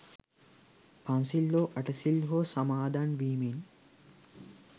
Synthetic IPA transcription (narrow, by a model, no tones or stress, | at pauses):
pʰansilːoːʔɐʈəsilɦoːsamaːd̪anʋiːmin